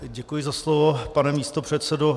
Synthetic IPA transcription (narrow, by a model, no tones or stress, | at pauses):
ɟɛkujɪzaslovopanɛmiːst̪opr̝̥ɛt̪sɛdo